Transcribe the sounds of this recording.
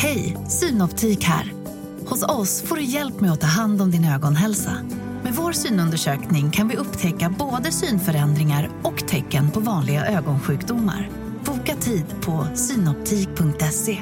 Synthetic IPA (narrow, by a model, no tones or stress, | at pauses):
hɛjsyːnɔpt̪ʰiːkhæ̰ːɾ | hʊsɔsfoːɖɵjɛlpmɛjɔt̪ʰɑːɦand̪ɔmd̪ɪnøːɡɔnɦɛlsa̰ | mɛdvoːɾsyːnɵnd̪əʂøːknɪŋkʰanvɪɵpːt̪ʰɛkːaboːd̪əsyːnfœɾɛnd̪ɾɪŋaɾɔkt̪ʰɛkːənpʰɔvɑːnlɪɡaʔøːɡɔnɧʉ̟ːkd̪ʊmːa̰ɾ | b̥uːkat̪ʰiːd̪pʰɔsyːnɔp̚t̪ʰiːk̚pʰɵŋk̚t̪ɛseː